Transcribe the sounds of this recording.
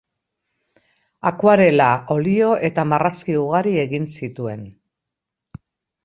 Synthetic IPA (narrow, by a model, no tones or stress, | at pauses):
akwaɾe̞lao̞lio̞ʔe̞t̪amaraskiuɣaɾie̞ɣinsit̪ue̞n